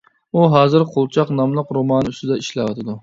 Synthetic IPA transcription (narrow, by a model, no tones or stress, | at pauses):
uɦɑːzɨɾqʰolˠt͡ʃʰɑqnɑmlˠəqɾomɑːnyst̪ɪd̪ɛiʃlɛwɑ̰t̪ʰɨd̪u